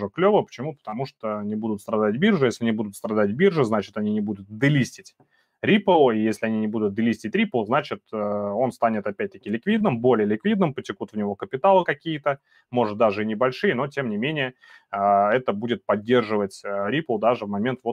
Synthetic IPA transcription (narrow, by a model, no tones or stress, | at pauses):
ʐəklʲovəpə̥t͡ɕɪmupə̥t̪ɐmuʂt̪onʲɪbud̪ʊt̪st̪ɾɐd̪at̚ʲbʲirʐɨjesʲlʲɪnʲɪbud̪ʊt̪st̪ɾɐd̪at̚ʲbʲirʐɨznat͡ɕɪ̥t̪ɐnʲinʲɪbud̪ʊt̪̚d̪ɨlʲisʲtʲɪtʲ | ɾʲipəlˠijesʲlʲɪɐnʲinʲɪbud̪ʊt̪̚d̪əlʲisʲtʲɪtʲɾʲipəlˠznat͡ɕɪt̪əo̞nst̪anʲɪt̪ɐpʲæt̚ʲt̪əkʲɪlʲɪkvʲid̪nɨmbo̞lʲɪjəlʲɪkvʲid̪nɨmpətʲɪkut̪vnʲɪvo̞kəpʲɪt̪alˠɨkɐkʲijət̪ə | mo̞ʐɨt̪̚d̪aʐɨinʲɪbɐlʲʂɨjəno̞tʲe̞mnʲɪmʲenʲɪjə | əɛt̪əbudʲɪt̪̚pɐdʲːe̞rʐɨvətʲəɾʲipəlˠd̪aʐɨvmɐmʲe̞nt̪vot̪